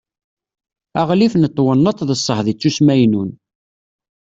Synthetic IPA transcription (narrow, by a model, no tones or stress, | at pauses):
æʁlifnət̪ˤːwənːət̪ˤðəsˤːəhðit͡sːusmæjnun